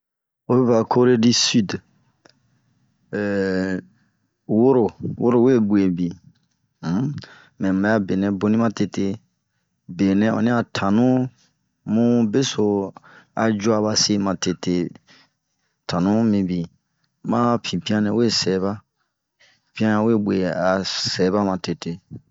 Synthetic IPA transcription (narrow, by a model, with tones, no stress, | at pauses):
o˦be˦ba˨kʰo˦ɾe˦di˦sy˦d | wo˦ɾo˨wʔo˦ɾo˦˨we˦bu˨e˨bi˨ | mɛ̃˨ma˨ja˦be˨nɛ̃˨bo˧nĩ˦mã˦te˧te˦˧ | be˨nɛ̃˧˦ɔ̰˨nĩ˦a˨tʰã˨nũ˦ | mũ˦be˦so˨a˧d͡ʒu˦a˧βa˧se˦mã˨te˧te˧˨ | tʰã˨nũ˦mĩ˧bi˨ | mã˦pʰĩ˨pĩ˦ã˦nɛ̃˨we˦sɛ˨˦βa˦ | pĩ˦ã˦nã˨we˦˨bwe˨a˨sɛ˨˦ba˦mã˨te˨te˨